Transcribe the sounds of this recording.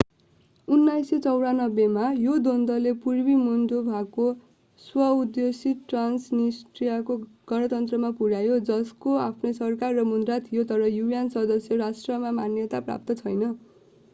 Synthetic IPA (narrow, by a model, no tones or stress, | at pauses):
unːajsjʌt͡sʌwɽanʌbjemajod̪ond̪ʌlepurbimund̪obʱako | swʌud̪josiʈransnisʈrijakoɡ̥ʌɽ̃ʌt̪ʌnt̪rʌmapuɽajod͡zʌskoapʰnʌsʌrkarːʌmund̪rat̪ʰijot̪ʌɾʌjujansʌd̪ʌsjʌɾasʈrʌmamanjʌt̪apra̰p̚t̪ʌt͡sʰʌjnʌ